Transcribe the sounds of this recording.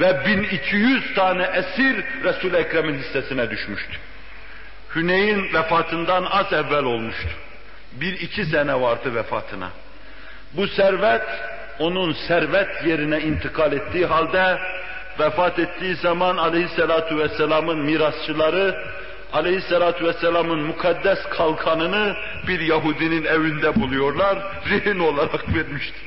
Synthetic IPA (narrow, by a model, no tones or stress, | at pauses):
vɛbinicʰijyz̥t̪ʰɑːnɛʔæsiɾɾɛsuːlɛcɾɛminhisːɛsinɛd̪yʃmyʃt̪ʰu̥ | hynejinvɛfɑːt̪ʰɯnd̪ɑnɑzɛvːælo̞lˠmuʃt̪ʰu̥ | biɾicʰisɛnɛvɑɾd̪ɯvɛfɑ̰ːt̪ʰɯnɑ̰ | busæɾvæt̪ | o̞nunsæɾvɛt̪ʰjeɾinɛint̪ʰikʰɑlet̪ːiːɦɑlʲd̪ɛ | vɛfɑːt̪et̪ːiːizɑmɑnɑlehisːɛlaːt̪ʰuvɛsːɛlɑmɯnmiːɾɑst͡ʃʰɯlˠɑɾɯ | ɑlehisːɛlaːt̪ʰuvɛsːɛlʲamɯnmukʰɑd̪ːæskʰɑlˠkʰɑnɯnɯ | biɾjaɦuːd̪ininævynd̪æbulˠujo̞ɾlˠɑɾ | ɾihino̞lˠaɾɑkveɾmiʃt̪i̥